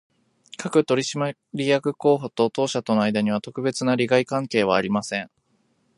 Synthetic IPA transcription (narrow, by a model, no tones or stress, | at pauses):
kʰakɯ̟t̪o̞ɾʲiɕima | ɾʲijakɯ̟ko̞ːɦot̪o̞t̪o̞ːɕat̪o̞noajd̪aɲ̟iβ̞at̪o̞kɯ̟be̞t͡sɨnaɾʲiɡaikãŋke̞ːβ̞aːɾʲimasẽ̞ŋ